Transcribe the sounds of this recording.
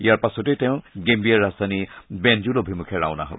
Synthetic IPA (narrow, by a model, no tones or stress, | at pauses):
ijaɹpasɔtɛtɛʊ̃ɡembiaɹazdanibɛnd͡ʒulɔbʱimukʰɛɹa̰ʊna̰ɦa̰b